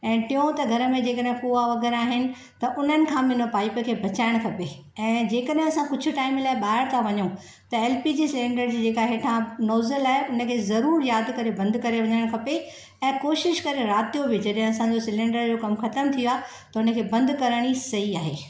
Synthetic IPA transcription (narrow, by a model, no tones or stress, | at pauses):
ɛ̃ːʈijõt̪ɐɡʱɐɾə̆mẽd͡ʑeːkəɗɦɪ̃puaʋɐɣɛːɾaːɦɪnɪ̆ | t̪ɐʔʊn̤ənɪ̆kʰãːmɪnopaːipə̆kʰeːbʱɐt͡ɕaːɪɽ̃kʰɐpe | ɛ̃ːd͡ʑeːkəɗɦɪ̃ɐsãkʊd͡ʑʱʊ̆ʈaːɪmlaːɪɓaːɦɪɾt̪ʰaʋɐɲũ | t̪ɐeːlpid͡ʑiːsɪlẽːɳɖəɾd͡ʑiːd͡ʑeːkaɦeːʈʰãnɔːzəlaːɦeʊnə̆kʰeːzɐɾuːɾjaːd̪kɐɾebɐ̃nd̪ʱkɐɾeʋɐɲəɽ̃kʰɐpe | ɛ̃ːkoːʃɪʃkɐɾeɾaːt̪ijobɪd͡ʑɐɗɦɪ̃ɐsãɲd͡ʑosɪlẽːɳɖəɾd͡ʑoːkɐmxɐt̪əmt̪ʰijoaːɦ | t̪ɐʊnə̆kʰeːbɐ̃nd̪kɐɾəɽ̃isɐɦiaːɦeː